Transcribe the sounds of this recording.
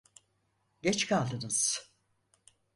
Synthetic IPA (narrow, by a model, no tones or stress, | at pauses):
ɟɛt͡ʃkʰalˠd̪ɯnɯz̥